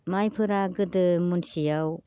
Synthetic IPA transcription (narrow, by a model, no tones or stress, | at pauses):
majpʰɯɾaɡɯdɯmunsijaw